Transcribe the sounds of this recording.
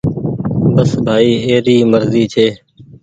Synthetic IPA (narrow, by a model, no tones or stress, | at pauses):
bəsbʱaːiːeːɾiːməɾziːt͡ʃʰeː